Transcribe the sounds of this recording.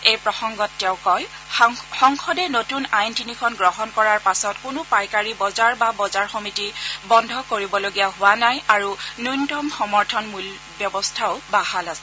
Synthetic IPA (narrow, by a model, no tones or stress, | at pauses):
ejpɹɔxɔŋɡɔtːɛʊ̃kɔj | xɔŋkʰɔdɛnotunajntinikʰɔnɡɹɔɦɔnkɔɹaɹpasɔtkʊnʊpajkaɹibɔzaɹbabɔzaɹxɔmitibɔndʱɔkoɹibɔloɡijaɦʊwanajaɹunujntɔmxɔmɔɹtʰɔnmul | bjɔbɔstʰaʊbahalasɛ